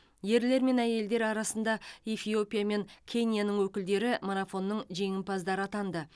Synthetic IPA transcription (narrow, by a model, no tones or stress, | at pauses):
je̞ɾle̞ɾme̞næje̞ld̪e̞ɾɑɾɑsənd̪ɑefijo̞pʲijame̞ŋkʲʰe̞nʲijanəŋwɵkʲɪld̪e̞ɾɪmoɾafo̞nːəɴʒe̞ŋɪmpʰɑzd̪ɑɾəɑt̪ɑnd̪ə